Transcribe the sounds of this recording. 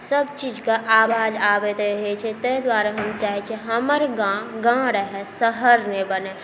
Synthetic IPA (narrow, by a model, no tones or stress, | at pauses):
səbt͡ʃiːd͡ʒkaʔaːʋaːd͡ʒaːʋet̪ɦet͡ʃʰɛt̪əɦd̪waːɾaɦəmt͡ʃaːɦet͡ʃʰeɦəməɾɡãɡãːɽɦɛsəɦəɾnebəne